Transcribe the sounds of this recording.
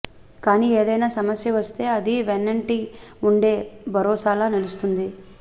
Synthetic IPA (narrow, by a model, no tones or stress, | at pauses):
kaːniːeːd̪ɐjnaːsɐmɐsjɐʋɐst̪e̞ːɐd̪iʋenːɐɳʈi | uɳɖe̞ːbʱɐɾɔːsaːlaːnelust̪und̪i